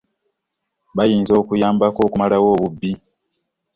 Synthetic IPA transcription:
βajiːnzo̞ːkujaːmbako̞ːkumalawo̞ːβubːi

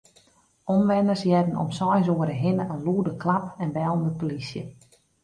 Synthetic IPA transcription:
ɔmʋɛnərsjɛdən̩ɔ̰msɔjs̬oəɾəɦɪnəənluːədəklapɛnbɛlˠndəpolisjə

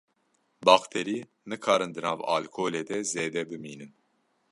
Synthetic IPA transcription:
baxt̪ʰeɾiː | nɨkʰaːɾɨnd̪ɨnaːva̰ːlkʰoːlɛd̪ɛzeːd̪ɛbɨmiːnɨn

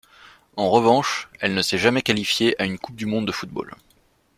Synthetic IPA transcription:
ɑ̃ʁəvɑ̃ʃɛlnəsɛʒamɛkalifjeʔaynkup̚d̪ymɔ̃d̪ːəfut̪̚bo̰l

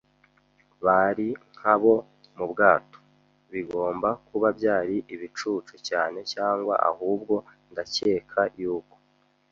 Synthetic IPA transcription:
βaɾiŋ̥haβo̞ | mubɡaːto̥ | βiɡo̞ːmbakuβabɟaːɾiʔiβit͡ʃuːt͡ʃucaːne̞caːŋɡwa̰ʔa̰huːb̚ɡo̞ndace̞ːkʰajuːko̥

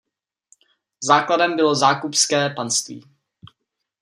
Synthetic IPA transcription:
zaːkladɛmbɪlo̞zaːkupskɛːpanst̪vḭː

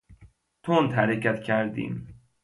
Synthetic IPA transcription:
t̪ʰoːnt̪hæɾecæt̪cʰæɾd̪ḭːm

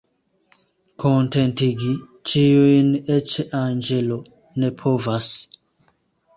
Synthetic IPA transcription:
kʰɔ̃ntɛntiɡi | t͡ʃijoinɛt͡ʃɛʔãnd͡ʒelo | nɛpʰovas

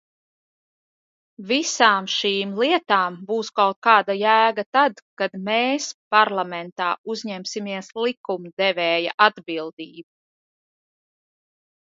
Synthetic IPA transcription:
visaːmʃiːmlˠiɛt̪aːmbuːskawt̪̚kaːd̪ajæːɡat̪ad̪kad̪mɛeːspaɾlˠamɛnt̪aːuzɲɛmsimiɛslˠikumd̪ɛvɛːjaʔad̪bilˠd̪iːbu

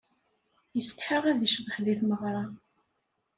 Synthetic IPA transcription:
jəst̪ħəʁæðiʃðəχðiθməʁɾˤɑ

